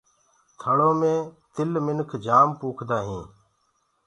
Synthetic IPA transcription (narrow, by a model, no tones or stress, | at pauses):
t̪ʰəɽoːmẽːt̪ɪlmɪnkʰd͡ʒaːmpuːkʰd̪aːɦĩː